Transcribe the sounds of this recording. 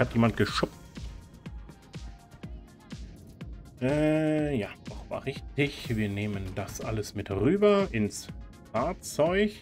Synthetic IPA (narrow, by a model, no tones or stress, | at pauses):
hatjeːmant̚ɡ̥əʃʊpt | ʔɛːjaːd̥ɔχv̥a̰ːʁɪçtɪçviːɐneːməndasʔa̰ləsmɪtʁyːbɐʔɪns | faɐt͡sɔʏç